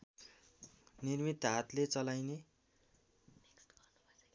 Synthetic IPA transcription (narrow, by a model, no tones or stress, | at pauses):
nirmit̪ːɦat̪let͡sʌlajne